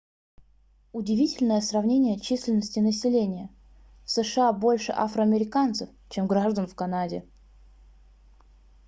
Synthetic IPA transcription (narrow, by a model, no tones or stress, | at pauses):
ʊdʲɪvʲitʲɪlʲnəjəsrɐvnʲenʲɪjət͡ɕisʲlʲɪnːəsʲtʲɪnəsʲɪlʲenʲɪjə | fsəʂɨabo̞lʲʂɨ̰ʔa̰fɾəɐmʲɪɾʲɪkant̪səft͡ɕe̞mɡɾaʐd̪ənfkɐnadʲɪ